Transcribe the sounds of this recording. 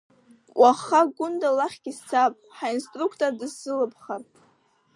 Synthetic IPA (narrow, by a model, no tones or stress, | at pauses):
wʷʔaχaɡʊndalaχʲɡʲist͡sʰapʼħainstʼrukʰtʼordɨzɨlɨpʰχar